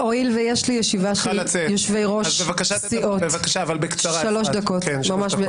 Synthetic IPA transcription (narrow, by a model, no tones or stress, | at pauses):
ʔoilvejeʃlijeʃivaʃlat͡sejoʃvejʁo̞ʃbevakaʃat͡siʔotbevakaʃaːvalbekt͡saʁaʃalo̞ʃd̪ako̞tenmamaʃbe